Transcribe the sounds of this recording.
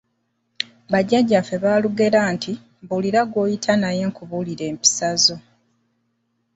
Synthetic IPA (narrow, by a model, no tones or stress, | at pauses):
βaɟaɟːafeβaːluɡe̞ɾaːntʰi | buliɾaɡo̞ːjitʰanaje̞ːŋkuβuliɾe̞ːmpi̥sazo̞